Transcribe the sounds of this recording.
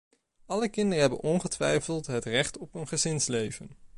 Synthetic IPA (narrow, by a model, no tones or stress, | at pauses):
ɑləkɪndəɹəɦɛbənɔnχətʋɛ̰jfəlˠtɦətrɛχtɔpənχəzɪnslejvən